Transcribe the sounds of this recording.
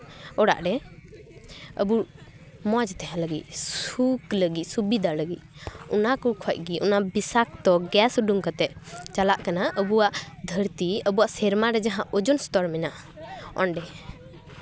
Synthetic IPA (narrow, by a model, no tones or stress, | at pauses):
ɔɽa̰ʔɖɛ | ə̰bu | mɔd͡ʒt̪ɛɦãləɡḭc̪̚sukləɡit̪̚subid̪ʱaləɡit̪̚unakɔkʰɔc̚ɡiʔunabisakt̪ɔɡɛsuɖuŋkat̪ɛʔ̚t͡ʃalaʔkanaəbuwaʔd̪ʱəɾt̪iəbuaʔsɛɾmaɾɛd͡ʒaɦãʔɔd͡ʒɔnst̪ɔɾmɛnaʔ | ɔ̰nɖɛ